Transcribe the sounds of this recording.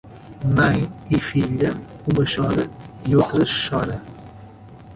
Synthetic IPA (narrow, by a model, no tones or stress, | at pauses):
mɐ̃j̃ifiʎɐ | umɐʃɔɾɐiot̪ɾɐʃɔɾɐ